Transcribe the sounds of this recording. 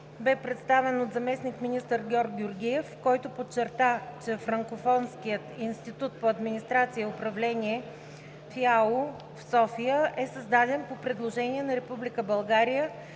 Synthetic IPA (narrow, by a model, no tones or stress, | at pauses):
bɛpɾɛt̪st̪avɛnot̪zɐmɛsnikminist̪əɾɡʲɔɾɡɡʲjʊɾɡʲiɛfkɔjt̪opot͡ʃːɛɾt̪at͡ʃɛfɾɐŋkofɔnskijət̪inst̪it̪ut̪̚poɐd̪minʲist̪ɾat̪sijəʊpɾɐvlɛniɛ | fialˠo | fsɔfijəʔɛsɐzd̪ad̪ɛnpopɾɛd̪lˠoʒɛniɛnɐɾɛpublikəbɐlˠɡaɾijə